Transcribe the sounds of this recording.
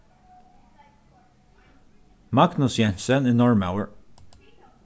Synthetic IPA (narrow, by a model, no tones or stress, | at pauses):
mɑɡnʊsjɛnsəniːnɔɹma̰ʊəɹ